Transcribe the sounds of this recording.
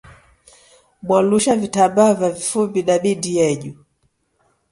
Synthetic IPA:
ɓwaluʃavitabavavifubiɗaɓidijɛʄu

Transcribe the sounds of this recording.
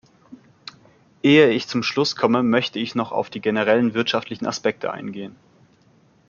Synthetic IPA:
ʔeːəɪçt͡sʊmʃlʊskʰɔməmœçtəɪçnɔχa̰ʊfd̥iːɡenəʁ̞ɛlənvɪɐtʃaftʰlɪçn̩a̰spɛk̚tʰə̰ʔa̰ɪnɡeːən

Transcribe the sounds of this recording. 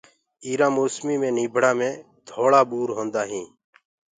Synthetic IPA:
iːɾãːmoːsmiːmẽːniːbʱɽaːmẽː | d̪ʱoːɭaːɓuːɾɦõːnd̪aːɦĩː

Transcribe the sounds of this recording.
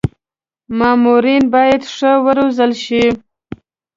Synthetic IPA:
mɑmuɾinbɑjad̪ʂəwəɾozəlʃi

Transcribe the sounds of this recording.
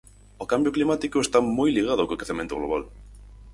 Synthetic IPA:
ʊkambjʊklimat̪ikʊest̪amojliɣ̞aðʊakokeθemẽnt̪oɣlo̰β̞al

